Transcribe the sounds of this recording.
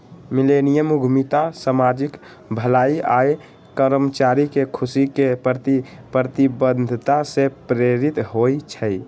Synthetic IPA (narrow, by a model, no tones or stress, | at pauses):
milenijəmuɡʱumit̪asamad͡ʒik | bʱəlaia̰j | kəɾəmt͡ʃaɾikekʰusikepət̪i | pɾət̪ibənd̪ʱt̪asepɾeɾit̪ɦojt͡ʃʰəj